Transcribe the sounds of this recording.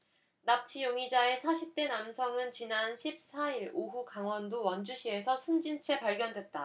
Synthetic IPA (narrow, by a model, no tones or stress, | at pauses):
nam̚t͡ɕʰijoŋid͡ʑae̞sʰaɕʰip̚t͈e̞namsʰʌŋɯnt͡ɕinanɕʰip̚s͈ʰaiɾoɦukaŋwʌndowʌnd͡ʑuɕʰie̞sʰʌsʰund͡ʑint͡ɕʰe̞paɭɡʲjʌndwe̞t̚t͈a